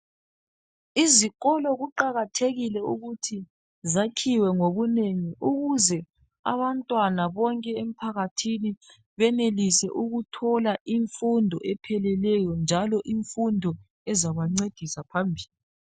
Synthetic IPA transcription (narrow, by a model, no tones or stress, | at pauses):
iziɣɔlɔɣuǃaɣatʰeɣilɛuɣutʰi | zakʰiwɛŋoβuneŋiʔuɣuzɛ | a̰βantʼwanaβɔŋkʼɛem̩pʰaɣatʰini | βɛnelisɛ̰ʔuɣutʰɔlaʔiɱfundʱɔʔɛpʰɛlɛlɛjɔnd͡ʒʱalɔʔiɱfundʱɔ | ɛzaβaŋ͡ǀed̥ʱisapʰambʱiːli